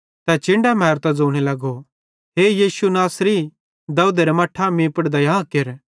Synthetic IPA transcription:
t̪ɛt͡ʃɪ̃ɳɖamɐɦɾt̪ad͡zoːɽ̃elɐɡo | ɦeːjiːsunaːsɾi | d̪ɐud̪eɾemɐʈʰamĩːpəɽd̪ɐjãːkeɾ

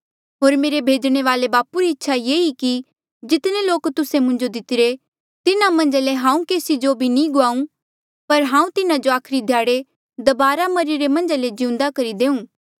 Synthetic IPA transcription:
ɦoːɾmeːɾebʱeːd͡ʒɽ̃eʋaːlebaːpuɾiɪtːʃʰajeːiki | d͡ʒɪt̪neloːkt̪ʊsemʊ̃ɲd͡ʒod̪ɪt̪ɪɾe | t̪ɪnamɐ̃ɲd͡ʒaleɦãːũkeːsid͡ʒobʱinĩɡʊaːũ | pɐɾɦãːũt̪ɪnad͡ʒoaːkʰɾid̪ʱjaːɽe | d̪ɐbaːɾamɐɾiɾemɐ̃nd͡ʒaled͡ʒɪũnd̪akɐɾid̪eːũː

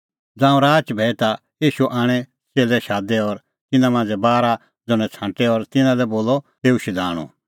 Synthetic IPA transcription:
d͡zãːũɾaːt͡ʃbʱɛit̪a | jiːʃuʔaːɽ̃ɛ | t͡seːlɛʃaːd̪ɛɔɾ | t̪ɪnãmãːnd͡zɛbaːɾa | d͡zʊñɛ̃t͡sʰãːʈɛɔɾt̪ɪnãlɛboːlɔ | ɦ̪eːuʃid̪aːɽ̃ṵ̃

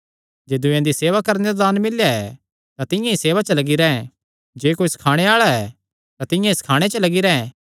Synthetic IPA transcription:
d͡ʒeːd̪ʊjãd̪iseːʋakɐɾneɾad̪aːnmɪljaɛ | t̪ãt̪ɪ̃jãiseːʋat͡ʃəlɐɡiɾɛ̃ɛ̃ | d͡ʒeːkoːisɐ̥kʰaːɽ̃eaːɭaɛː | t̪ãt̪ɪ̃jãisɐ̥kʰaːɽ̃et͡ʃəlɐɡiɾɛɛ̃

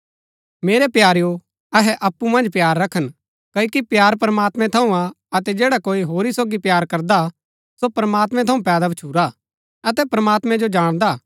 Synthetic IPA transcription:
meːɾɛpjaːɾjo | ɐɦɛʔɐpːumɐ̃nd͡ʒpjaːɾːɐkʰən | kɐikipjaːɾpɾəmaːt̪mɛ̃t̪ʰɐũã | ɐt̪ɛd͡ʒeːɽakoːiɦoːɾisoːɡipjaːɾkɐɾd̪a | sopɾɐmaːt̪mɛ̃t̪ʰɐũpɛːd̪abɐt͡ʃʰuːɾa | ɐt̪ɛpɾɐmaːt̪mɛ̃d͡ʒod͡ʒaːɽ̃d̪aː

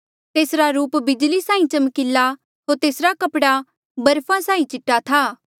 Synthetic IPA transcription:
t̪eːsɾaɾuːpbɪd͡ʒlisãːĩt͡ʃɐmkɪlːa | ɦoːɾt̪eːsɾakɐpɽa | bɐɾpʰãsãːĩt͡ʃɪʈːat̪ʰaː

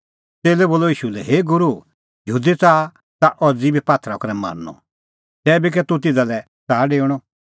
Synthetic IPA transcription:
t̪eːlɛboːlɔiːʃulɛɦeːɡʊɾu | jəɦuːd̪et͡saː | t̪aʔɔd͡zibʱipaːt̪ʰɾakɐɾɛma̰ɾnɔ̰ | t̪ɛːbik̬ɛt̪ut̪̬ɪd͡zalɛ | t͡saːɖeːɽ̃ɔ

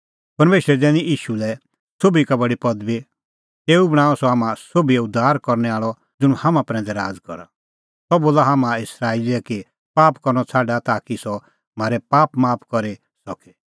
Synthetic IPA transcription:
pɐɾmeːʃɾɛd͡zɛːniʔiːʃulɛ | sobikabɐɽipɔd̪bi | t̪eːubɐɽ̃aːɔsɔɦaːmãsobiɛʊd̪ʱːaːɾkɔɾnɛaːɭɔ | d͡zʊñhamãpɾɛ̃ːnd͡zɛɾa̰ːd͡zkɔ̰ɾa̰ | sɔboːlaɦaːmãɪsɾaːiliɛki | paːpkɔɾnɔt͡sʰaːɖat̪aːkisɔ | m̤aːɾɛpaːpmaːpʰkɔɾe | sɔkɛ

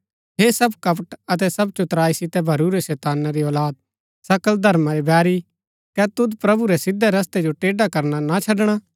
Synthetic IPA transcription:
ɦesɐbkɐpəʈɐt̪̬ɛsɐb̚t͡ʃʊt̪ɾaːisɪt̪ɛbʱɐɾuɾɛsɛːt̪aːnːaɾiɔːlaːd̪̚ | sɐkəld̪ʱɐɾmãɾibɛːɾi | kɛt̪ʊd̪pɾɐbuɾɛsɪd̪ʱːɛɾɐs̬t̪ed͡ʒoʈeːɖakɐɾnanat͡ʃʰɐɖɽ̃a

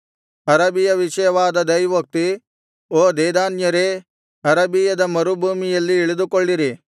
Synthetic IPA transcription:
ɐɾɐbijɐʋɪʃɐjʋaːd̪ɐd̪ɐjʋok̚t̪i | oːd̪eːd̪aːnjɐɾe | ɐɾɐbijɐd̪ɐmɐɾubuːmijɐlːiɪɭid̪ukoɭːiɾi

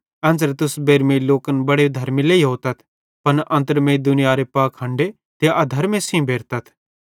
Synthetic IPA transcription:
ɐ̃nd͡zəɾt̪ʊsbeːɾmẽiloːkənbɐɽed̪ʱɐɾmileiɦoːt̪ɐt̪ʰ | pɐnʔɐ̃nt̪̬əɾmẽid̪ʊnɪjaɾepaːkʰːɐ̃ɳɖe | t̪eaʔɐd̪ʱɐɾmesĩbʱeːɾt̪ɐt̪ʰ

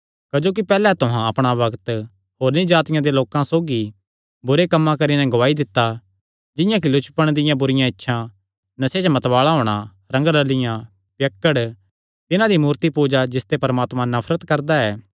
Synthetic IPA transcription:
kɐd͡ʒoːk̬ipɛːlɛt̪ʊɦãɐpɽ̃abɐɡt̪ | ɦoːɾnĩd͡ʒaːt̪ɪjãd̪eloːkãsoːɡi | bʊɾekɐmːãkɐɾinɛ̃ɡʊʋaːid̪ɪt̪ːa | d͡ʒɪ̃jãk̬ilʊt͡ʃpəɽ̃d̪ɪjãbʊɾɪjãɪtːʃʰã | nɐsed͡ʒmɐt̪ʋaːɭaɦoːɽ̃a | ɾɐ̃ŋɡɾəlɪjã | pjɐkːəɽ | t̪ɪnãd̪imuːɾt̪ipoːd͡ʒad͡ʒɪst̪epɐɾmaːt̪mãnɐpʰɾət̪kɐɾd̪aɛː

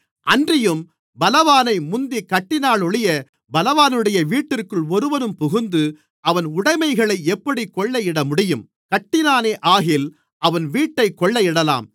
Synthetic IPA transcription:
ʔɐndrɪjɯm | bɐlɐʋaːnɐɪmʊnd̪ikɐʈːɪnaːɭɔɭɪjɐ | bɐlɐʋaːnɯɽɐjɐʋiːʈːɪrkɯɭɔɾɯʋɐnɯmpʊɣʊnd̪ɯ | ʔɐʋɐnʊɽɐɪmɐɪɣɐɭɐɪɛpːɐɽikɔɭːɐjɪɽɐmʊɽɪjɯm | kɐʈːɪnaːneːʔaːɣɪl | ʔɐʋɐnʋiːʈːɐɪkːɔɭːɐjɪɽɐla̰ːm

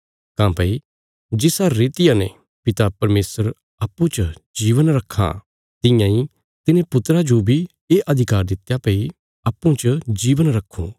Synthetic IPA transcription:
kãːpɐi | d͡ʒɪsaɾeːt̪ɪjãnẽ | pɪt̪apɐɾmeːsəɾ | aːpːũt͡ʃəd͡ʒiːʋənɾɐkʰːa̰ | t̪ɪ̃jãĩ | t̪ɪnẽpʊt̪ɾad͡ʒobʱi | eːʔɐd̪ʱɪkaːɾd̪ɪt̪ːjapɐi | ɐːpːũt͡ʃəd͡ʒiːʋənɾɐkʰːṵ̃ː

